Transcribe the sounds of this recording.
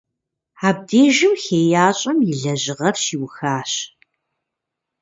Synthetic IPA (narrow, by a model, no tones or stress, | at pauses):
aːb̚deːʒɪmxeːjaːɕʼɐmjɪɮɐʑɪʁɐrʃiːwxaːɕ